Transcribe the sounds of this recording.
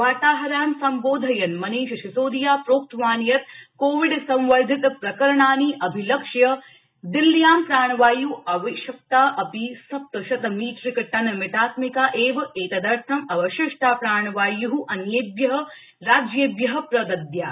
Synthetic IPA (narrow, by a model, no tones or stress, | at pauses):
ʋaːt̪aːɦɐɾaːmsɐmboːd̪ʱɐjɐnmɐneːʃʃisoːd̪ijaːpɾoːk̚t̪ʋaːnjɐt̪̚koːʋiɖsɐ̃mʋɐɾd̪ʱit̪pɾɐkɐɾɐɳaːniːʔɐbʱilɐkʂjɐ | d̪ilːjaːmpɾaːɳ̃ɐʋaːjuɐʋɐʃjɐk̚t̪aːʔɐpisɐp̚t̪ɐʃɐt̪ɐmiːt̪ɾikɐʈːɐnɐmɪt̪ʰaːt̪mikaːʔeːʋɐeːkɐd̪ɐɾt̪ʰɐmɐʋɐʃɪʂʈʰaːpɾaːɳ̃ɐʋaːjuɦuʔɐnjeːbjɐɦɐ̆ | ɾaːd͡ʒjɐbjɐɦɐ̆pɾɐd̪ɐd̪jaː